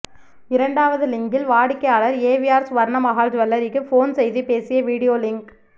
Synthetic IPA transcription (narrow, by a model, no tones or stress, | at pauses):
ɪɾɐɳɖaːʋɐðɯlɪŋɡɪlʋaːɽɪkːɐjaːɭɐɾeːʋɪaːɾsʋɐɾɳɐmɐɣaːld͡ʒʋɐlːɐɾɪkːɯfoːnsɛjðipeːsɪjɐʋiːɽɪjoːlɪŋk